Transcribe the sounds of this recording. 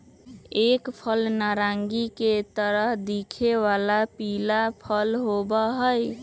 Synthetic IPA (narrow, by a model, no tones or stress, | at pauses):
ekpʰəlnaɾaŋɡiket̪əɾəɦd̪ikʰeʋalapilapʰəlɦobəɦəj